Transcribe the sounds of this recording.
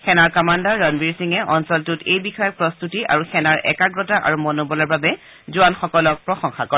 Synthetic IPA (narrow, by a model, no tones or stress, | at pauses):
xɛnaɹkɔmandaɹɔnbiɹsiŋɛʔɔnsɔltutejbixɔjɔpɹɔst̪utia̰ɹuxɛnaɹʔɛ̰kaɡɹɔtaʔa̰ɹumɔnobɔlɔɹbabɛ | zʊanxɔkɔlɔk̚pɹɔxɔŋxakɔɛ